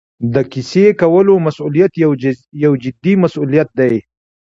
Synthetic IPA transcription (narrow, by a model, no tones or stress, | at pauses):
d̪əkisekawəlomasulijat̪jawd͡ʒɪd̪imasulijat̪̚d̪aj